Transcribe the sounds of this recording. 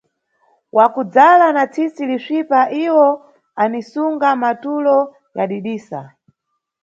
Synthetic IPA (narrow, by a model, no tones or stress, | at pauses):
wʔakud͡zalanat͡sʰisiliʂipaʔiwɔ | anisuŋɡamatulɔ | jaɗiɗiːsa̰